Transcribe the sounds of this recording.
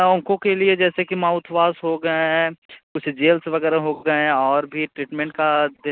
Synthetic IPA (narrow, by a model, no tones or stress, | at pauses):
ɔ̃ːŋkõkelied͡ʒɛːsekimãːʊt̪ʰʋaːsɦoɡɐaɦɛ̃kʊt͡ʃʰd͡ʒeːlsʋɐɡɛːɾaɦoɡɐeɛ̃ɔːɾbʱiʈɾiːʈmɛ̃ɳʈkad̪e